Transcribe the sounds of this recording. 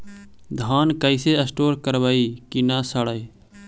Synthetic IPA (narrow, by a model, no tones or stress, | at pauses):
d̪ʱaːnkəɪseːəsʈoːɾkəɾʋaːiːkinaːsəɽəi